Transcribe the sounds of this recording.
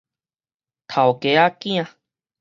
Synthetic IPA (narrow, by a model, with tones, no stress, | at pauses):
t̪ʰa˨o˨ke˨a˦kĩ˦ã˧